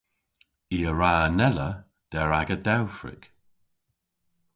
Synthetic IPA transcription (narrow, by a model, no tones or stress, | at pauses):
iəɹaːnɛlə | d̥ɛɹaɡədawfɹɪ̰k